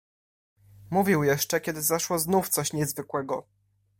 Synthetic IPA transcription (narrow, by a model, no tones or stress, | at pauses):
muvʲiwjɛʂt͡ʂɛkʲɛd̪ɘzaʂwɔznuft̪sɔɕɲɛzvɘkwɛɡɔ̰